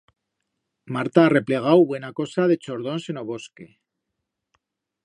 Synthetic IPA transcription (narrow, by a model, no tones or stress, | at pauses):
maɾt̪aːre̞ple̞ɣ̞awβwe̞nako̞sað̞e̞t͡ʃo̞ɾð̞o̞nse̞noβ̞o̞ske̞